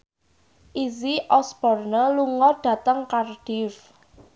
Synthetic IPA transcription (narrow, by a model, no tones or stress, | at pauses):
ʔiziʔɔsb̥ɔrnəluŋɔɖ̥ä̤t̪əŋkarɖ̥if